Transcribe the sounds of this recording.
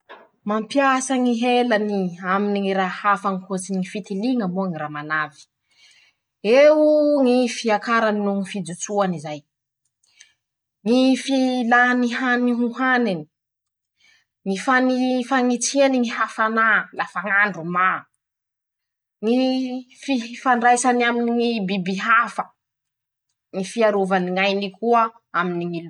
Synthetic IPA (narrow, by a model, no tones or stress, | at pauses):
mampjasəŋiɦelaniaminiŋiɾahafaŋikot͡sinŋifit̪iliŋəmuaŋiɾamanavi̥ | euŋifiakaɾaninuŋifid͡zut͡suanizaj | ŋifilaniɦaniɦuɦanini̥ | ŋifanifaŋit͡sianiŋihafanalafaŋaɳɖ͡ʐuma | ŋi | fifaɳɖ͡ʐajsaniaminiŋibibiɦafə̥ | ŋifiaɾuvaniŋajnikuə | aminiŋil